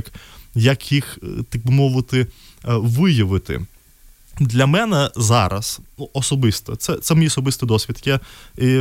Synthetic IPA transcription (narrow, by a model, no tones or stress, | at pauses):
kjɐkjixt̪ɐk̚bʊmɔʋʊt̪ɪ | ʋɪjɐʋɪt̪ɪ̰ | d̪lʲɐmɛnɛzɑɾɐ̰snuʔɔsɔbɪst̪ɔ̰t̪sɛt̪sɛmɔijɔsɔbɪst̪ɪd̪ɔsʲʋʲid̪kʲai